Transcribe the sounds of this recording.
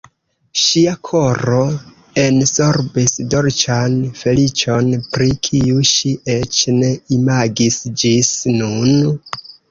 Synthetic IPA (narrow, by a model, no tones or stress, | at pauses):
ʃiakʰo̞ɾo̞ | e̞nso̞ɾbisdo̞ɾt͡ʃanfe̞lit͡ʃo̞npɾikʰiuʃiʔe̞t͡ʃne̞imaɡisd͡ʒisnun